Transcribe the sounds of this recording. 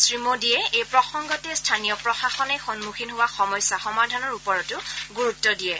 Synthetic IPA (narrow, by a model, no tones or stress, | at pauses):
sɹimodijɛejpɹɔxɔŋɡɔtɛstʰanijɔpɹɔxaxɔnɛxɔnmuxʰinɦowaxɔmɔjsːaxɔmadʱanɔɹupɔɹɔtʊɡuɹutːɔdijɛ